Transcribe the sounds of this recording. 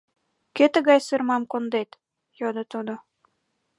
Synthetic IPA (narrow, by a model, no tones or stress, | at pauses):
ket̪ɘ̆ɣɑjsɯrmɑmkond̪et̪ | jod̪ɤ̆t̪ud̪ŏ